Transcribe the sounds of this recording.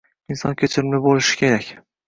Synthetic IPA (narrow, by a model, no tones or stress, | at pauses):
ɪnsɒ̰nkʲʰet͡ʃʰɪɾmlɪbolɪʃɪ̥kʲʰe̞ɾakʲ